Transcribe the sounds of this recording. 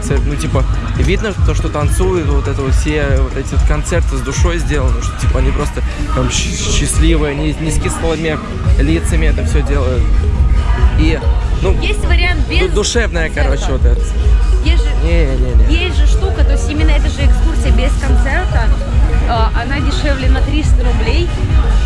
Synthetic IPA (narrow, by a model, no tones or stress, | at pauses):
sɛt̪nutʲipəvʲid̪nət̪oʂt̪o̞t̪ɐnt̪sujʊt̪vo̞t̪ɛt̪əvotfsʲevo̞t̪ɛtʲɪvot̪kɐnt̪sɛrt̪ɨzd̪ʊʂo̞jzʲdʲe̞lˠənɨʂt̪otʲipəɐnʲipɾo̞st̪ət̪amɕ | ɕːɪsʲlʲivɨjəɐnʲinʲɪskʲisəlˠəmʲɪ | lʲit̪səmʲɪɛt̪əfsʲɵdʲelˠəjʊt̪ | inujesʲtʲvəɾʲɪant̪bʲzd̪ʊʂɛvnəjəkɐɾo̞t͡ɕ̪ɪvot̪ɛt̪əjesʲʐɨnʲenʲenʲejesʲtʲʐɨʂt̪ukət̪oɪsʲtʲimʲɪnːəɛt̪əʐɨɛɪkskursʲɪjəbʲɪskɐnt̪sɛrt̪ə | aʔɐnadʲɪʂɛvlʲɪnɐt̪ɾʲist̪əɾʊblʲej